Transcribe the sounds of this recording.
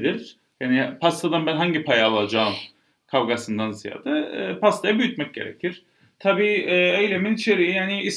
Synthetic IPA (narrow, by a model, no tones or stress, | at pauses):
d̪iɾ̥ | jaːnipʰast̪ʰad̪anbænɦaɲɟipʰajaːlˠad͡ʒaːɯm | kʰavɡasɯnd̪anzija̰ːd̪aːpast̪ʰajabyjyt̪mɛc̚ɟe̞̰ɾḛcʰiɾ̥ | t̪ʰabiːɛːejlʲeminit͡ʃʰe̞ɾiijaːniis